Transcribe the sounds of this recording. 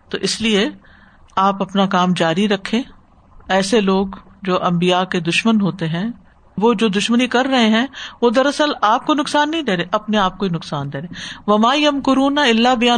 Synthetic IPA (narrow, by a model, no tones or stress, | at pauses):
t̪o̰ːʔɪslie | aːpɐpnakaːmd͡ʒaːɾiɾɐkʰːẽː | ɛːseloːɡd͡ʒoːʔɐ̃mbijaked̪ʊʃmənɦoːt̪eɦɛ̃ | ʋoːd͡ʒoːd̪ʊʃmənikɐɾːɐɦeɦɛ̃ʋod̪ɐɾɐsəlaːp̚konʊksaːnːɐɦĩd̪eːɾẽːʔɐpneaːp̚koinʊksaːnd̪eːɾẽːʋɐmaːjɐmkʊɾuːnaɪlːabɪjaː